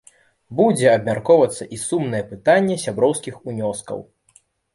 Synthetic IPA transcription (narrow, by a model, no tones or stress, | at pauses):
bud͡zʲɛɐbmʲarkɔwvɐt̪sːɐʔisumnɐjɛpɨt̪anʲːɛsʲabɾɔwskʲixunʲɔskɐ̰w